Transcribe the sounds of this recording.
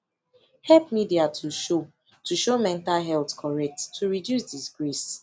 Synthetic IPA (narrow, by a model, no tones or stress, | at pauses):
hɛlpmidiatʰuʃo | tuʃomɛ̃ntalɦɛltkʰɔɹɛk̚ttʰːuɹidjusdisɡɹis